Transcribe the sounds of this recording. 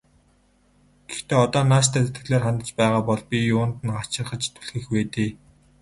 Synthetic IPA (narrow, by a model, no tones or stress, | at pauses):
ɡ̥ext̪eːɔt̪ɔːnaːʃt̪ʰæːt̪et̪ɡɘ̆ɮeːrχant̪ə̆t͡ɕpæːʁaːpɔɮpʲiʊːnt̪ɘ̆nɢat͡ɕɪ̆rχə̆t͡ɕt̪ʰu̥ɮxĭːxweːt̪eː